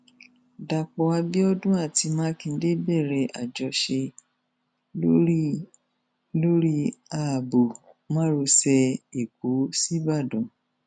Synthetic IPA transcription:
da˧˨k͡pɔ˧a˧bi˦ɔ˦dũ˦a˦˨ti˧mãː˦kĩ˧n̩˦de˦bɛ˦˨ɾɛ˧ʔa˨d͡ʒɔ˧ʃe˧ | o˦ | lo˦ɾi˦a˨bo˨ | mã˦ɾo˧sɛ˧i˨ko˨˦si˦ba˦˨dũ˨

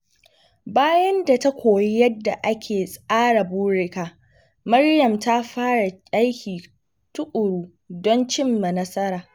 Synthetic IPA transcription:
baː˦jɐ˦nda˨ta˦kʷoː˨ji˦jɐ˦dːa˨ʔa˦kʲʰeː˨sʼaː˦ɽa˨buː˦ɽɪ˦kaː˨ | mɐ˦rjɐ˨mta˦ɸaː˦ɽa˨cʲʼa˦jkʲiː˨ | tʊ˦ʔʼʊ˨ɽuː˦ | dɔ˦nt͡ʃɪ˦mːa˨nɐ˦sɐ˦ɾaː˨

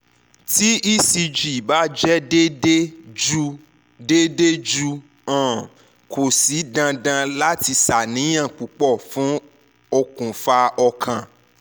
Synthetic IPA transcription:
ti˦i˦si˧d͡ʒi˨ba˨˦d͡ʒɛ˦de˦de˦d͡ʒu˦ | de˦de˦d͡ʒu˧ | ã˦˨ | kʰo˨si˨˦dã˧dã˧la˦ti˧sa˨nĩ˨˦j̃ã˦˨k͡pu˨˦k͡pɔ˦˨fũ˨˦ | o˧kũ˨fa˧ɔ˧kʰã˨

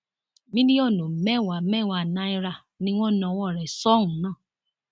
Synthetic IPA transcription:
mĩ˦di˦ɔ˦˨no˨m̩˨mɛ˦˨wa˨mɛ˦˨wa˨na˦i˦ɾa˦˨ | nĩ˦ŋʷɔ̃˦˨n˨ɔ˨wɔ˦˨ɾɛ˨sɔ˦ŋũ˨˦nãː˦˨

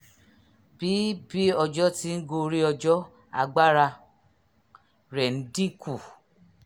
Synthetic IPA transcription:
b̥i˨˦bi˦ɔ˧d͡ʒɔ˦ti˦n̩˦ɡo˧ɾi˦ɔ˧d͡ʒɔ˦ | a̰˧ɡ͡ba˦ɾa˧ | ɾɛ˨n̩˦dĩ˦ku˦˨

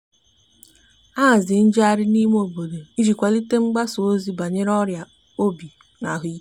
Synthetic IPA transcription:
a˦˨zɪ˨n̩˦d͡ʒa˦ɾɪ˦ni˦m˦o˨bo˨de˨i˦d͡ʒi˨kʷa˨li˦te˦ŋ͡m̩˦ɡ͡ba˦so˨o˦zi˦ba˨ɲe˦ɾɔ˦ɾja˨ | o˦bi˨ | na˨ɦʊ˨˦

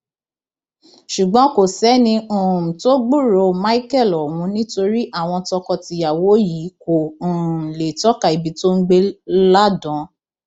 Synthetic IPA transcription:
ʃu˨ɡ͡bɔ̃˨˦ko˨sɛ˨˦nĩ˧ũ˨to˦ɡ͡bũ˦˨ɾo˧ma˦i˦kɛ˦˨lɔ˨wũ˨˦nĩ˦to˧ɾi˦ʔa˦˨w̃ɔ̃˧tɔ˧kɔ˧ti˧ja˨wo˨˦ji˨˦ko˨ũ˨le˨tɔ˦ka˦˨i˨bi˨˧˦to˦ŋ̩˦ɡ͡be˦la˦dɔ̃˨˦

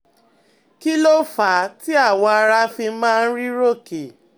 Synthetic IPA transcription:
ki˦lo˦fa˨˦ti˦a˦˨wɔ̃˧a˧ɾa˦fi˧mãː˦˧n̩˦ɾi˦ɾo˦ke˨

